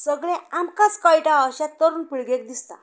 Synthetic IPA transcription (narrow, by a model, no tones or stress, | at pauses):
səɡɭɛ̃amkaskajʈaəɕat̪ːəɾuːnpiɭɡek̚d̪ist̪a̰